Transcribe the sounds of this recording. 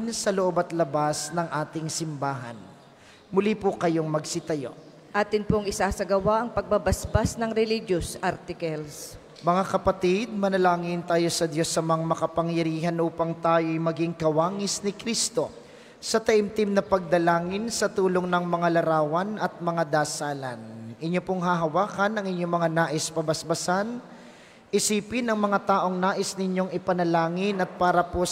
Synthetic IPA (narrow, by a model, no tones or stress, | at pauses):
nsɐloʔo̞bɐt̪lɐbasnɐŋʔaːt̪ɪŋsɪmbaːɦɐ̰n | mʊlipʊkɐjo̞ŋmɐɡsɪt̪ɐjo̞̰ | ʔaːt̪ɪnpoŋɪsasɐɡɐwaʔɐŋpɐɡ̚bɐbɐsbasnɐŋɾɛliɡjosʔaɾt̪ɪkɐls | mɐŋakɐpɐt̪id̪̚mɐnɐlaːŋɪnt̪aːjo̞sɐd̪jo̞sɐmaŋmɐkɐpɐŋjɐɾiːɦɐnʔuːpɐŋt̪aːjo̞jmɐɡiŋkɐwaːŋɪsnɪkɾist̪o̞ | sɐt̪ɐʔɪmt̪ɪmnɐpɐɡ̚d̪ɐlaːŋɪnsɐt̪uːlo̞ŋnɐŋmɐŋalɐɾaːwɐnʔɐt̪̚mɐŋad̪aːsaːlɐnʔɪɲjo̞poŋɦɐɦɐwaːkɐnɐŋɪɲjo̞ŋmɐŋanaːʔɪspɐbɐsbɐsan | ʔɪsiːpɪnɐŋmɐŋat̪aːʔo̞ŋnaːʔɪsnɪɲjo̞ŋɪpɐnɐlaːŋɪnɐt̪̚paːɾɐpo